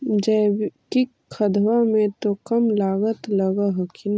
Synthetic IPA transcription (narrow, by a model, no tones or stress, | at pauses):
d͡ʒɛːki | kʰəd̪wamẽt̪okɐmlaːɡət̪ləɡaɦkɪn